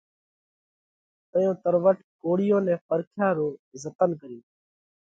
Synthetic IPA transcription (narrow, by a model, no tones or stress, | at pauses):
t̪əjõːt̪əɾʋəʈkoːɽɪjõːnɛ̃ːpəɾkʰjaːɾoːzət̪ənkəɾĩː